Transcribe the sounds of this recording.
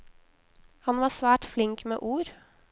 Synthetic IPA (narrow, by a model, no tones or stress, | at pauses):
hɑnʋɑːsʋæːʈflɪŋkmḛːʔuːɾ